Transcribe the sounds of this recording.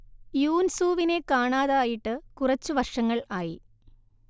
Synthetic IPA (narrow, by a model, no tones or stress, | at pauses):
juːnsuːʋine̞kaːɳaːðaːjiʈːɨkurɐt͡ɕːuʋɐrʂɐŋːɐɭaːji